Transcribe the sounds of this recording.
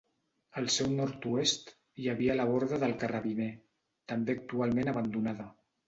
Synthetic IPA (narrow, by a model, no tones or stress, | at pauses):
əlˠsɛwnɔɾt̪uest̪ | jaβiələβɔɾðəðəlˠkəraβine | t̪əmbeək̚t̪ualˠmenəβənd̪unaðə